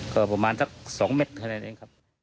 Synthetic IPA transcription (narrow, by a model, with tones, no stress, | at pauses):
kɔː˧˩pa˧maː˧nsa˦˥˩k̚sɔː˩˦ŋme˦˥t̪̚kʰa˧naː˧˩nʔḛː˧ŋkʰa˦˥p̚